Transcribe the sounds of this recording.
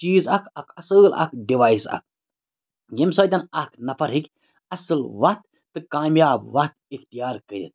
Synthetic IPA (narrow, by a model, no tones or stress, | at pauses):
t͡ʃiːzɐkʰɐkʰɐsɨlɐ̰kʰɖiʋaːjsɐ̰k̚ʰ | ɡimsɐːd̪ɐnɐkʰnɐpʰɐɾɦikʲ | ɐsɨlʋɐht̪ːɨkaːmjaːbʋɐt̪ikt̪ijaːɾkɐɾʲḭt̪̚ʰ